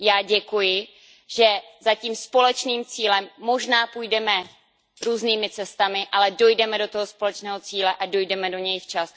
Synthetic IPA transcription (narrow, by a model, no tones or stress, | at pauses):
jaːɟɛkujɪ | ʒɛzaciːmspo̞lɛt͡ʃniːmt͡siːlɛmːo̞ʒnaːpuːjdɛmɛ | ɾuːzniːmɪt͡sɛst̪amɪʔalɛdo̞jdɛmɛdot̪oɦospo̞lɛt͡ʃnɛːɦo̞t͡siːlɛʔado̞jdɛmɛdo̞ɲɛjft͡ʃas